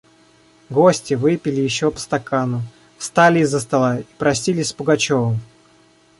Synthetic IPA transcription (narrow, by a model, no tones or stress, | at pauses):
ɡosʲtʲɪvɨpʲɪlʲɪjɪɕːopə̥st̪ɐkanʊ | fst̪alʲɪːzːəst̪ɐlˠai̥pɾɐsʲilʲɪsʲpʊɡɐt͡ɕovəm